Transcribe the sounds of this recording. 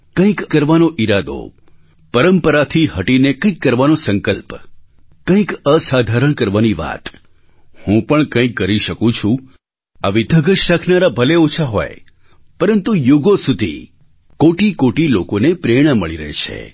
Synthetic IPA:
kə̃ĩkkəɾʋanoʔiɾad̪o̰ | pəɾəmpəɾat̪ʰiɦəʈinekə̃ĩkːəɾʋanosəŋkəlp | kə̃ĩkəsad̪ʱaɾəɳ̃kəɾʋaniʋa̰t̪ | hũpəɳkə̃ĩkːəɾiʃəkũt͡ʃʰũ | aʋid̪ʱəɡəʃakʰnaɾabʱəleot͡ʃʰaɦo̰j | pəɾənt̪ujuɡosud̪ʱḭ | koʈikoʈilokonepɾeɽ̃əməɭiɾə̰ɦḛt͡ʃʰḛ

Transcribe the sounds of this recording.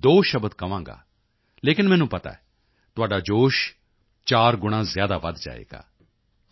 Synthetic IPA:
d̪oːʃəbət̪kəʋãːŋɡa̰ː | leːkɪnmɛ̃ːnũːpət̪a̰ːɛ | t̪ʊaːɖaːd͡ʒoːʃ | t͡ʃaːɾɡʊɽ̃ãːzɪjaːd̪aːʋəd̪d͡ʒa̰ːḛːɡa̰ː

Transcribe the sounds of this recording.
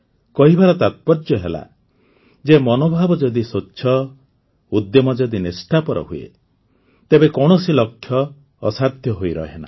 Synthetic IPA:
kɔɦibaɾɔt̪at̪̚pɔɾd͡ʒjɔɦela̰ | d͡ʒemɔnobʱabɔd͡ʒɔd̪isotːʃʰɔ | ud̪jɔmɔd͡ʒɔd̪inesʈʰapɔɾɔ̰ɦuḛ | t̪ebekɔɽ̃ɔsilɔkʰːjɔː | sad̪ʱjɔɦoiɾɔ̰ɦena̰

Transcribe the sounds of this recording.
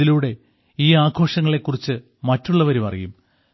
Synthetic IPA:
iluːɽe̞ | iːaːɡʱo̞ːʂɐŋːɐɭe̞kːurit͡ɕːɨ | mɐtːuɭːɐʋɐɾumɐ̰rḭjum

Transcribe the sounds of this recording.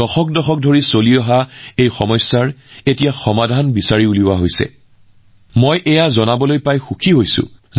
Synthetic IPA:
ɔxɔk̚dɔxɔk̚dʱoɹisoliɔɦaejxɔmɔjsːaɹetijaxɔmadʱanbisaɹiulibwaɦojsɛ̰ | mojʔɛjazɔnabɔlojpajxukʰiɦojsʊ̰̃

